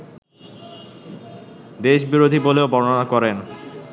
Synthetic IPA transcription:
d̪eʃbiɾod̪ʱiboleobɔɾoonakɔɾen

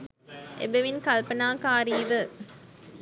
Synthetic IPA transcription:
ʔḛbeʋinkɐlpɐnaːkaːɾiːʋə

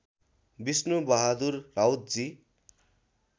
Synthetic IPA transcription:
bisnubʌɦad̪urːawt̪̚d͡zi

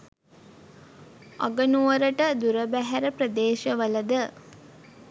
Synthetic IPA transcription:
ɔɡənuʋəɾəʈəd̪uɾəbæɦæɾəpɾəd̪eːʃəʋələd̪ə

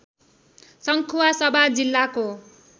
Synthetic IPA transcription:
sʌŋkʰuwasʌbʱad͡zilːako

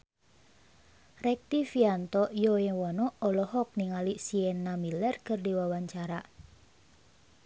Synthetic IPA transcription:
rɛk̚t̪ifiant̪ɔjɔjɛwɔnɔɔlɔɦɔk̚niŋalisiɛnːamilɛrkɨrdiwawaɲt͡ʃaɾa

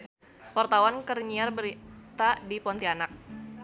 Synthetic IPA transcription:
wart̪awankərɲiarbəɾit̪adipɔnt̪ianak̚

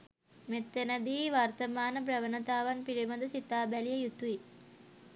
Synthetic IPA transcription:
met̪ːenɐd̪iːʋaɾt̪ɐmaːnəbɾɐʋənɐt̪aːʋɐnpiɽimɐd̪ɐsit̪ːaːbælijəjut̪ui

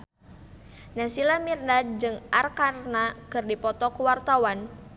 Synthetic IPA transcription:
nasilamirnad̚d͡ʒɨŋʔarkarnakɨrdipɔt̪ɔkuwart̪awan

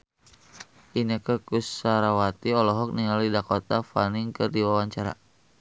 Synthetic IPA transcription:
ʔinəkəkusaɾawat̪iɔlɔɦɔk̚niŋalidakɔt̪afaniŋkərdiwawaɲt͡ʃaɾa̰

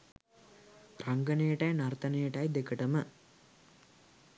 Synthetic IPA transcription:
raŋɡənəjəʈajnart̪ənejəʈajd̪ekəʈəmə

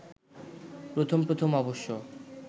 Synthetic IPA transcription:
pɾot̪ʰompɾot̪ʰomɔboʃːo

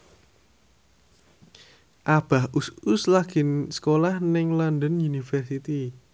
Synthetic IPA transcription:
ʔab̥a̤hʔusʊslaɡ̥ɪnsə̥kolahnɪŋlɔnd̪ənjunifərsit̪i

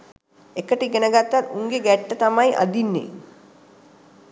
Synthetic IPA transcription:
ekəʈiɡenəɡat̪ːat̪uŋɡeɡæʈːət̪amajʔa̰d̪inːḛ

